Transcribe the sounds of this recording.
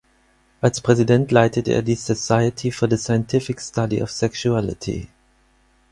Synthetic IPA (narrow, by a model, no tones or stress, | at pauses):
ʔalspʁ̥ɛzidɛ̃ntʰlaɪtʰətḛɐdisəsaɪətʰifɔɐðəsaɪə̃ntʰɪfɪkstʰadḭʔɔ̰fsɛkʃuælɪ̰tʰḭ